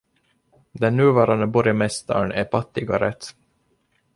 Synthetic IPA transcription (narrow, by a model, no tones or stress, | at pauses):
d̪ɛnːʉ̟ːvɑːɾand̪əbɔɾjɑmɛst̪a̰ɳæɾfat̪ːɪɡaɾɛt̪ː